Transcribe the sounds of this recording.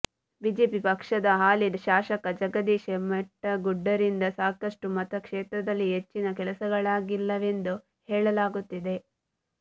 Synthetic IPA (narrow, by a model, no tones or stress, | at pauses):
bid͡ʒeːpipɐkʂɐd̪ɐɦaːliʃaːʃɐkɐd͡ʒɐɡɐd̪iːʃemɐʈːɐɡuɖːɐɾind̪ɐsaːkɐʂʈumɐt̪ɐkʂɛːt̪ɾɐd̪ɐlːiɦet͡ʃːinɐkɛlɐsɐɡɐɭaːɡilːɐʋe̞nd̪u | hɛːɭɐlaːɡut̪ːid̪e̞